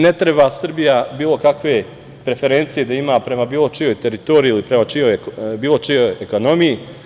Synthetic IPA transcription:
ne̞t̪ɾe̞baːsr̩bijabiːlˠo̞kakʋe̞ | pɾe̞fe̞ɾe̞nt̪sije̞d̪aimaːpɾe̞mabiːlˠo̞t͡ʃijo̞jt̪e̞ɾit̪o̞ːɾiilipɾemat͡ʃijo̞jbiːlˠo̞t͡ʃijo̞jeko̞no̞miji

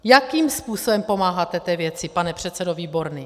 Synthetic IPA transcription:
jakiːmspuːsobɛmpo̞maːɦat̪ɛt̪ɛvjɛt̪t͡sɪpanɛpr̝̥ɛt̪t͡sɛdoviːbo̞ɾniː

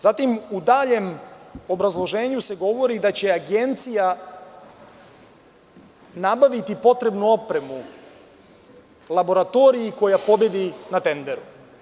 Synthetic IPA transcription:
zat̪imud̪aːʎe̞mo̞bɾazlˠo̞ʒe̞ːɲuse̞ɡo̞ʋo̞ɾid̪at͡ɕe̞aɡe̞nt̪sija | nabaʋit̪ipo̞t̪ɾe̞bnuo̞pɾe̞mu | lˠabo̞ɾat̪o̞ɾiiko̞japo̞be̞d̪inat̪e̞nd̪e̞ɾu

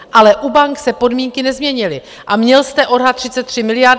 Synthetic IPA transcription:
ʔalɛʔubaŋksɛpo̞dmiːŋkɪnɛzmɲɛɲɪlɪ | ʔamɲɛlst̪ɛʔo̞dɦat̪r̥ɪt͡sɛt̪ːr̥ɪmɪlɪjaɾ

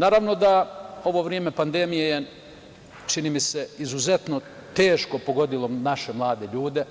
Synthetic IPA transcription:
naːɾaʋno̞d̪ao̞ʋo̞ʋɾijeme̞pand̪e̞mijeje | t͡ʃiniːmise̞izuze̞t̪no̞ | t̪eːʃko̞po̞ɡo̞d̪ilo̞naʃe̞mlˠaːd̪e̞ʎuːd̪e̞

